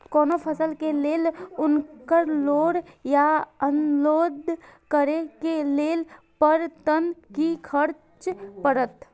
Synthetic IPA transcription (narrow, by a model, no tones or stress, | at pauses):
koːnopʰəsəlkeleːlʊnkəɾloːɾjaənloːd̪ʱkəɾekeleːl | pəɾt̪ənkikʰəɾ | t͡ʃpəɾət̪